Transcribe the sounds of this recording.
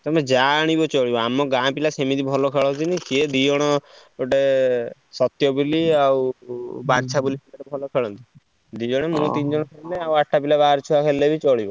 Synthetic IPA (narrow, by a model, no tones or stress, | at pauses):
t̪ɔmẽd͡ʒaɽ̃ibɔt͡ʃɔɭibɔamɔɡãpilasemid̪ibʱɔlɔkʰeɭɔt̪inĩkied̪ijɔɽ̃ɔ | oʈe | sɔt̪jɔbuliawbaɾt͡ʃʰabulipilaʈebʱɔlɔkʰeɭɔnt̪i | d̪ijɔɽ̃emũt̪ind͡ʒɔɽ̃ɔkʰeleawaʈʰːapilabaaɾt͡ʃʰuakʰelːebʱit͡ʃɔɭibɔ